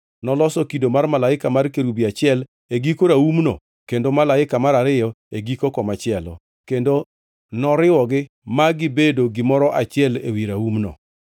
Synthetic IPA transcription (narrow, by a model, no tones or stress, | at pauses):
nɔlɔsɔkidomarmalaɪkamarkeɾubiat͡ʃɪɛl | eɡikoɾaumno̰ | kendomalaɪkamaɾaɾɪjɔ | eɡikokɔmat͡ʃɪɛlɔ̰ | kendo | nɔɾɪwɔɡɪ | maɡɪbedoɡɪmɔɾɔʔat͡ʃɪɛlewiɾaumno̰